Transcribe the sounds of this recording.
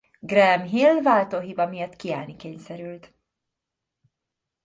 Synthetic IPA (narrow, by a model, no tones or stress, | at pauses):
ɡrɛmɦilvaːlt̪oːɦibɒmijɒt̪kia̰ːlnikeːɲsɛɾylt̪